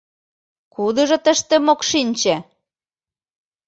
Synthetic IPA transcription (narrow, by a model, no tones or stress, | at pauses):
kud̪ɤ̆ʒɤ̆t̪ə̆ʃt̪ĕmokʃinʲt͡ɕæ